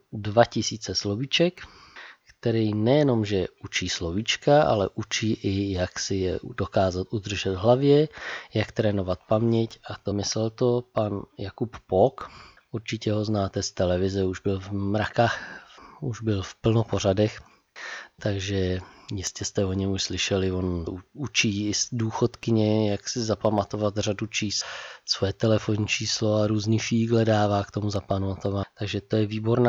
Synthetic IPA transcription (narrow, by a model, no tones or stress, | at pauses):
dvacɪsiːt͡sɛslovit͡ʃɛk | kt̪ɛɾijnɛjɛno̞mʒɛut͡ʃiːslovit͡ʃkaʔa̰lɛʔut͡ʃiːʔɪjaksɪjɛdokaːzat̪ʔud̪r̩ʒɛd̪ɦlavjɛjakt̪ɾɛːnovat̪̚pamɲɛcat̪omɪslɛlt̪opanjakuppok | ʔuɾt͡ʃɪcɛɦo̞znaːt̪ɛst̪ɛlɛvɪzɛuʒbɪlvmɾakaxuʒbɪlfpl̩nopo̞ɾ̝adɛx | t̪aɡʒɛjɪscɛst̪ɛo̞ɲɛmuʃslɪʃɛlɪvo̞nut͡ʃiːɪsduːxot̪kɪɲɛjaksɪzapamat̪o̞vat̪r̝adut͡ʃiːssvojɛt̪ɛlɛfoɲit͡ʃiːslo̞aɾuːzniːfiːɡlɛdaːvaːkt̪omuzapanomat̪ovat̪aɡʒɛt̪o̞jɛviːbo̞ɾnaː